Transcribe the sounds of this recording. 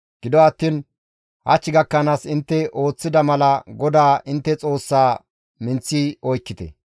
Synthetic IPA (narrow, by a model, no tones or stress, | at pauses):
ɡ̥ɪd̪ɔɐt̪ːiːn | hɐ̰t͡ʃːɪɡɐkːɐnaːsɪnt̪ːɛʔo̞ːt͡sːɪd̪ɐmɐlɐɡɔd̪aːʔɪnt̪ːɛt͡sʼo̞ːsːaː | mɪnt͡sːiːɔjkːɪt̪ɛ̰